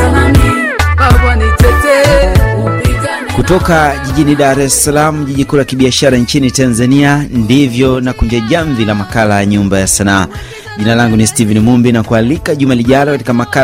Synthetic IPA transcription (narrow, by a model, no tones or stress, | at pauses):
akanit͡ʃɛtɛ | kutɔkaʄiʄiniɗaɾɛsalamuʄiʄikulakiɓiaʃaɾant͡ʃinitanzaniandivjɔnakuɲd͡ʒaʄaɱvilamakalajaɲumbajasanaː | ʄinalaŋɡunistivɛnimumbinakualikaʄumaliʄalɔkati̥kamaka